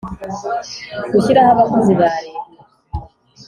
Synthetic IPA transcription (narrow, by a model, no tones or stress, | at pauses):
kuɕiɾahaβakuziβaɾe